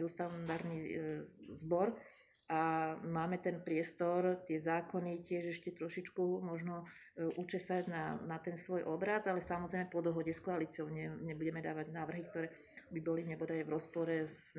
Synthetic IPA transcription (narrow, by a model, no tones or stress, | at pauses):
ɛust̪ad̪aːɾni | zbɔɾ | ʔamaːmɛt̪ɛnpɾɪɛst̪ɔɾt̪ɪɛzaːkɔnicɪɛʒɛʃcɛt̪ɾɔʃit͡ʃkumɔʒnɔ | ʔut͡ʃɛsaɟna̰nat̪ɛnsʋɔjʔɔbɾazalɛsamɔzɾɛjmɛpɔd̪ɔɦɔɟɛskɔaliːt͡siɔʊɲɛɲɛbuɟɛmɛd̪aːʋaɟnaːʋr̩ɦikt̪ɔɾɛː | bibɔliɲɛbɔd̪aʋɾɔspɔɾɛz